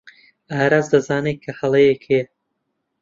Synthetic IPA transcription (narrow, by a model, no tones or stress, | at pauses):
aːɾaːzd̪ɐzaːnet̪̚kʰɐhɐlˠɐjekʰejɛ